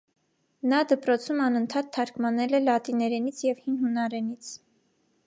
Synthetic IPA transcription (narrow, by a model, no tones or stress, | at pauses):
nɑd̪əpɾɔt͡sʰumɑnənt̪ʰɑt̪ʰːɑɾkmɑnɛlɛlɑt̪inɛɾɛnit͡sʰjɛvhinɦunɑɾɛnit͡sʰ